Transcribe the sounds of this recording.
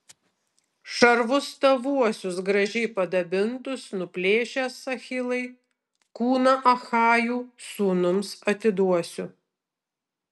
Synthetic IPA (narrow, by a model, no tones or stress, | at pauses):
ʃɐɾʋʊst̪ɐʋuɔsʲʊsɡɾɐʒʲɛɪpɐd̪ɐbʲɪnt̪ʊsnʊpʲlʲeːʃʲæsɐxʲɪlˠɐɪ | kuːnɐʔɐxɑːjuːsuːnʊmsɐt̪ʲɪd̪uɔsʲʊ